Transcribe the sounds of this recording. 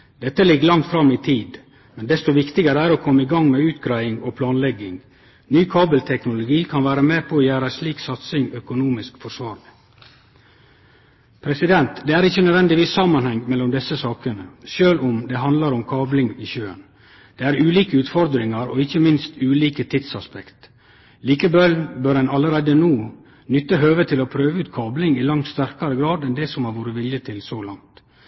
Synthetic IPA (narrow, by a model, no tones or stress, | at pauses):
d̪ɛt̪ːəlɪɡːlɑŋt̪fɾɑmɪt̪ʰiːd̪ | mɛnd̪ɛst̪ɔʋɪkt̪ɪɡəɾəæɾɔkʰɔmːəɪɡɑŋmɛʉːt̪ɡɾæɪɪŋɔpʰlɑːnlɛɡːɪŋ | nyːkʰɑːbəlt̪ʰɛknʊlʊɡiːkʰɑnʋæːɾəmeːpʰɔːjæːɾəæsliːksɑt̪sɪŋœkʊnuːmɪskfɔʂʋɑːɾlɪ | pʰɾɛsɪd̪ɛnt̪d̪eːæːɾɪçːənœd̪ʋɛnd̪ɪʋiːsɑmːɑnhɛŋmɛlːɔmd̪ɛsːəsɑːkənəʃøːlɔmd̪ɛɦɑnd̪lɑɾɔmkʰɑːblɪŋiːçøːə̰n | d̪̥eæːɾʉːliːkəʉːt̪fɔɾd̪ɾɪŋɑɾɔ̰ɪçːəmɪnst̪ʉːliːkət̪ʰɪt̪sɑspɛkt̪ | liːkəbœlbøːɾɛnɑləɾæɪd̪ənuː | nʏt̪ːəɦøːʋət̪ʰɪlɔpʰɾøːʋəʉːt̪kʰɑːblɪŋɪlɑŋt̪st̪æɾkɑɾəɡɾɑːd̪ɛnd̪ɛːsɔmhɑɾʋoːɾəʋɪljət̪ʰɪlsoːlɑŋt̪